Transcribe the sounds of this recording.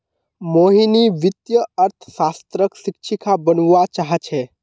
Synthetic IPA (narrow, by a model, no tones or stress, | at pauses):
moɦiniʋit̪jəəɾt̪ʰsast̪ɾəksik̚t͡ʃʰikabənuat͡ʃaɦət͡ʃʰɛ